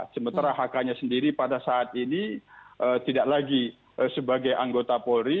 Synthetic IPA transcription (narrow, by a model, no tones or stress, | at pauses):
səmənt̪aɾaɦakaɲasəndiɾipadasaːt̪iniʔət̪idaʔlaɡi | əsəbaɡajʔaŋɡot̪apoɾi